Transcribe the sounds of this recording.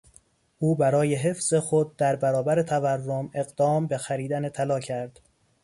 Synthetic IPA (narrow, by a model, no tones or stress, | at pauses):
ʔuːbæɾɒːje̞ɦe̞fz̥e̞xod̪̚d̪æɾbæɾɒːbæɾe̞t̪ʰæværːome̞ɣd̪ɒːmbe̞xæɾiːd̪ænet̪ʰælɒːcʰæɾd̪̥